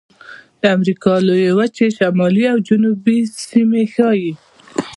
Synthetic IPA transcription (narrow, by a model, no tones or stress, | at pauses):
d̪̥əamɾikɑlojewat͡ʃeʃamɑliawd͡ʒʊnubisimexɑji